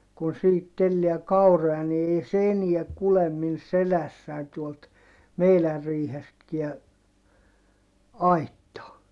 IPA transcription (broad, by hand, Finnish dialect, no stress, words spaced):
kun siːhit telːi̯æ kɑurojɑ ni ei se eniæ kulem min selæsːæi̯n tuolt meilær riːhestkiæ ɑitːɑː